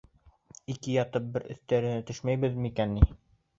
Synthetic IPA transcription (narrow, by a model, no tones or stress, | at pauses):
ikɘjɑt̪ɤp̚bɘɾɘ̆θt̪æɾɘ̆næt̪ɵʃmæjβɘðmikænːi